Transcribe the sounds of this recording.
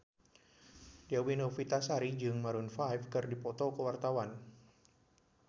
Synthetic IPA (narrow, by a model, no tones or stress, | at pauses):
diawinofit̪asaɾid͡ʒɨŋmaɾunfajfkɨrdipɔt̪ɔkəwart̪awan